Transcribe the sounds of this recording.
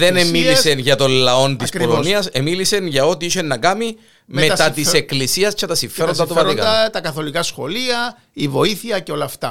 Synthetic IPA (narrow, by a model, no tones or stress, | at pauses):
ðenemiisenʝɐt̪o̞nlɐo̞nt̪isoloniɐsemilise̞nʝɐo̞t̪iiʃenːɐkɐmi | me̞stɐt̪iseklisiɐst͡ʃɐt̪ɐsiɱfe̞ɾo̞nd̪ɐt̪opɐikɐt̪ɐkɐθo̞likɐsxo̞liɐ | ivo̞iθiɐceo̞lɐft̪ɐ